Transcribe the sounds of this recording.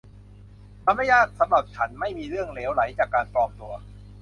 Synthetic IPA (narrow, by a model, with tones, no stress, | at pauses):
t̪ʰa˧ma˥˩jːaː˥˩t̪̚sa˨˦mɾa˨˩p̚t͡ɕʰa˦˥nma˥˩jmiː˧ɾɯ˥˩əŋleː˦˥wla˩˦jt͡ɕaː˨˩kːaː˧npɾɔː˧mt̪u˧ɐ